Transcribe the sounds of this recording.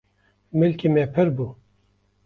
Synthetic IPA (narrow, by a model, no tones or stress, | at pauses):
mɨlkimepʰɨɾbuː